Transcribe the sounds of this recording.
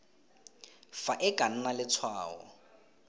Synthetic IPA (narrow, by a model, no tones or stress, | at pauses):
faʔɪkʼan̩nalɪt͡sʰwaːɔ̰